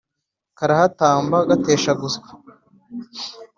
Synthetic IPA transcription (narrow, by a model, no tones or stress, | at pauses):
kaɾahataːmbaɡate̞ːʃaɡuske̥